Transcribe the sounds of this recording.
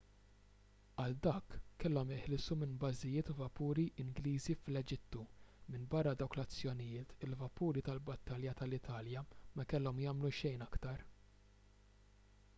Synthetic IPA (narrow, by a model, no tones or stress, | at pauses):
ɐld̪ɐːkːɛlːɔmɪħlɪsumɪnbɐzɪjɪːt̪uvɐpuːɾiʔɪŋɡliːziflɛd͡ʒɪt̪ːumɪnbɐrːɐd̪ɐwklɐt͡sːjɔnɪjɪːt̪ɪlvɐpuːɾit̪ɐlbɐt̪ːɐljɐt̪ɐlɪt̪ʰɐːljɐmɛkɛlːɔmjɐːmluʃɛjnɐkt̪ɐɾ